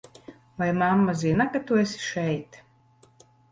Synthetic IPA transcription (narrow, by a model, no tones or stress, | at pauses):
vajmamːaziɛnakat̪uɛsʲi̥ʃɛjt̪